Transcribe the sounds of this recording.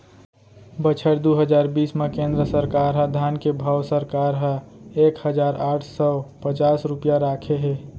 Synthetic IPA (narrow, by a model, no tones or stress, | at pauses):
bət͡ʃʰəɾd̪uɦəd͡ʒaːɾbiːsmekẽnd̪ɾəsəɾkaɾɦə̃d̪ʱankebʱawsəɾkaɾɦə̃ekhəd͡ʒaːɾaːʈʰsɔpət͡ʃaːsɾupjaɾakʰeɦe